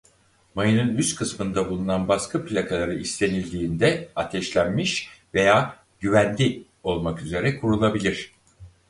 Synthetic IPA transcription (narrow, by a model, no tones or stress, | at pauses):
majɯnɯnyst̪kʰɯsmɯnd̪abulˠunanbaskʰɯplʲakʰalˠaɾɯist̪ʰe̞nilʲd̪iːnd̪ɛat̪ʰɛʃlʲænmiʃve̞jaː | ɟyvænlʲi | o̞lˠmakyze̞ɾɛkʰuɾulˠabilʲiɾ̝̥